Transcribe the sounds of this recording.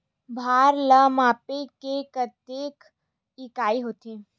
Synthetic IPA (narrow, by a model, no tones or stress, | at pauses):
bʱaːɾləmaːpekekət̪eːk | ɪkaːiɦoːt̪i